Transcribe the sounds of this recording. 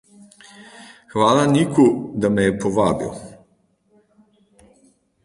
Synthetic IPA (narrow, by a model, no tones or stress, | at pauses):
xʋaːlanikud̪amejepoʋaːbḭo̰